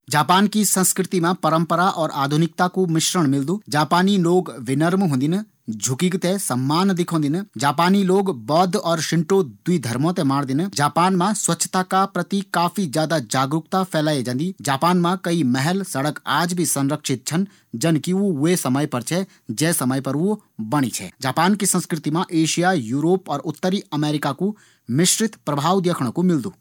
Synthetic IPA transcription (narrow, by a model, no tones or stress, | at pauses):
d͡ʒaːpaːnkisə̃nskɾɪt̪imẽpɐɾə̃mpəɾaʔɔːɾa̰ːd̪ʱʊnɪk̚t̪akumɪʃɾəɽ̃mɪld̪ũːd͡ʒaːpaːniloːɡʋɪnəɾmɦõːnd̪ɪn | d͡ʒʱʊkikt̪esɐmːaːnd̪ɪkʰõːnd̪ɪnd͡ʒaːpaːniloːɡbɔːd̪ʱɔːɾʃɪ̃ɳʈod̪wid̪ʱɐɾmõt̪emaːɽd̪ɪnd͡ʒaːpaːnmãswɐtːʃʰə̥t̪akapɾɐt̪ikaːfʰid͡ʒjaːd̪ad͡ʒaːɡɾʊkt̪apʰɛːlaːed͡ʒɐ̃nd̪id͡ʒaːpaːnmãkɐimɛɦɛlsɐɽəkaːd͡ʒbʱisɐ̃nɾəkʃɪt̪̚t͡ʃʰən | d͡ʒɐnkiuesɐməjpɐɾt͡ʃʰɛ | d͡ʒɛːsɐməjpɐɾu | bɐɽ̃ḭt͡ʃʰɛ̰ːd͡ʒaːpaːnkisə̃nskɾɪt̪imãʔeːʃijajuːɾoːpɔːɾʊt̪ːəɾiɐmeːɾɪkaku | mɪʃɾɪt̪pɾɐbʱaːwd̪jeːkʰɽ̃komɪld̪uː